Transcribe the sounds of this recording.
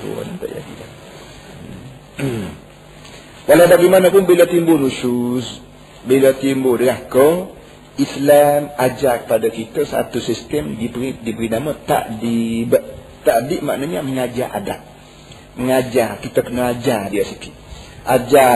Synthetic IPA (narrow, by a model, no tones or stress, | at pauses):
t̪ṵnt̪a̰ʔd͡ʒa̰dḭla | walawbaɡimanəpʊnbilət̪imbʊnusus | bilət̪imbʊdəŋahkə | islamad͡ʒakə̥padakit̪əsa̰t̪usist̪əmdibəidibəɾinamət̪a̰ʔdibʔ | t̪aʔdiʔma̰ʔnəhɲaməŋad͡ʒaʔa̰da̰ʔ̚ | məŋad͡ʒarkit̪əkənəad͡ʒardiasiki | ʔad͡ʒa